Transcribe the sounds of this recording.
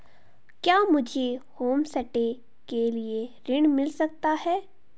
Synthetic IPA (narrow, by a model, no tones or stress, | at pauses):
kjaːmʊd͡ʒʱehoːmsɐʈe | kelieɾɪɽ̃mɪlsɐk̚t̪aɦɛː